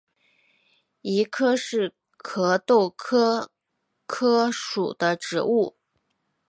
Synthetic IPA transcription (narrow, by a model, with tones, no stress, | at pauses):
i˧˥kʰɤ˥ʂɻ̩˥˩ | kʰɤ˧˥t̪o˥˩ʊkʰɤ˥ | kʰɤ˥ʂṵ˨˩d̪ə˦ʈ͡ʂɻ̩̰˧˥u˥˩